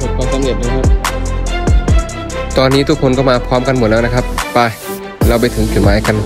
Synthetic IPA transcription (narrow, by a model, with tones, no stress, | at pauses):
o˨˩t̪̚kʰɔː˧˩ŋka˧mi˨˩t̚naː˧˥˩kʰa˦˥p | t̪ɔː˧nːiː˦˥t̪ʰu˦˥kʰːo˧nkɔː˥˩maː˧pʰɔː˦˥mka˧nmo˨˩t̪̚lːɛ˦˥na˦˥kʰa˦˥p̚pa˧˩ | ɾlaː˧wp̬a˧jt̪ʰɯ˩˦ŋpʰi˨˩maː˨˦jka˧˩n